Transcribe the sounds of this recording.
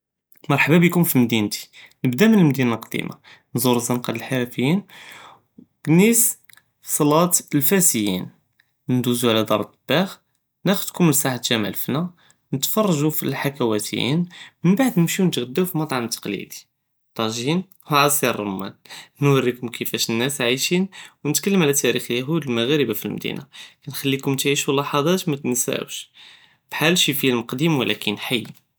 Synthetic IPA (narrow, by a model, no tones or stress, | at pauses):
mɑɾˤħbabəkʊmfimd̪int̪i̥nəbd̪æmənəlmd̪inalqd̪ḭma̰ | nzuɾzænqɑd̪əlħaɾæfəjin | ɡnis | fi̥sˤɑlɑt̪lfæsəjḭn | nənd̪uzuʕlæd̪ɑɾˤt̪b̥æx | næxəd̪kʊməsaħat̪ʒæma̰lfnæ | nət̪fɑrˤːɑʒufḭlħakæwæt̪ʰəjḭnmənbaʕd̪nəmʃiwnət̪ɣəd̪ːæwfimɑt̪ˤʕɑnt̪ːɑ̥qlḭd̪i̥ | t̪ˤɑʒin | wʕɑsˤiɾˤːɑmːæ̰nnwərːikʊmkʰəfæʃnːæsʕiʃinwnət̪kəlːəmʕalæt̪ːæɾixlæɦud̪əlmæɣæɾəbafilmd̪ḭnʔakænxælːikʊmt̪ʕiʃulɑħɑd̪ˤɑt̪mæt̪nsæ̰ə̰wʃ | b̥ħalʃifijælməqd̪imwəlʔækənħajː